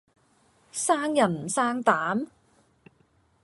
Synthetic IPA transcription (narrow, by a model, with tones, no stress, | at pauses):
saː˥ŋjɐ˨˩nm̩˨˩saː˥ŋt̪aː˨˥m